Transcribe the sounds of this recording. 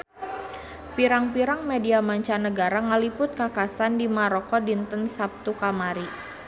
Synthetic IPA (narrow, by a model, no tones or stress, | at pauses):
piɾaŋpiɾaŋmediamaɲt͡ʃanəɡaɾaŋəlipʊt̪̚kakasandimaɾɔkɔdint̪ənsap̚t̪ukamaɾi